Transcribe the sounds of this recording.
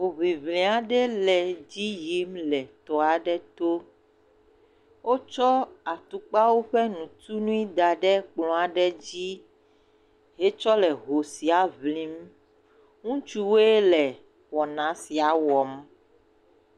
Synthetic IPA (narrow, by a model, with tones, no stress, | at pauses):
wo˨βi˨βlĩ˨a˨ɖɛ˦lɛ˨d͡ʑi˦ji˨˦mlɛ˨t̪ɔ˨a˨ɖɛ˦t̪o˦ | wo˦t͡ʃɔ˦a˨t̪u˨k͡pa˦wo˦ɸɛ˦nũ˨t̪u˦nũ˦i˦d̪a˨ɖɛ˦k͡plɔ̃˨a˨ɖɛ˦d͡ʑi˦ | ɦe˦t͡ʃɔ˦lɛ˨ɦo˨si˨a˨βlĩ˦m | ŋũ˦t͡ʃu˦we˦lɛ˨ | wɔ˨nã˨si˨a˨wɔ˨m